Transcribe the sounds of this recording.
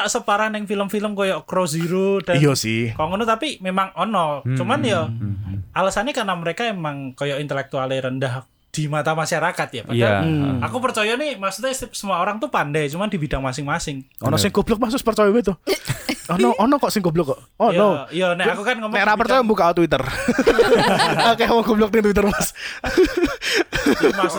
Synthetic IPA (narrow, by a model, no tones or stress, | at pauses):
taʔsəpaɾanɛŋfiləmfiləmkojɔʔkɾosiɾod̥ajɔsɪhkɔŋənut̪apimemaŋɔnɔt͡ʃumanjɔ | ʔalasanɲakanaməɾekaemaŋkojɔʔint̪əlɛk̚t̪ualɪɾəndah | d̥imat̪amaʃaɾakat̪ja̰paaakupərt͡ʃɔjɔnimaʔsu̥t̪ɲɛssəmuaoɾaŋt̪upandajt͡ʃumandibid̥aŋmasɪŋmasɪŋɔnɔsɪŋkoblɔk̚mahsʊspərt͡ʃɔjɔbɛt̪ʊ | ɔnɔʔɔnɔkɔʔsɪŋkoblɔkɔ | ɔjnɔjanɛakukanŋəmɛɾapərt͡ʃɔjɔmbukaot̪wit̪ər | akɛawakoblɔk̚dɪŋt̪uwit̪̬ərmas | ma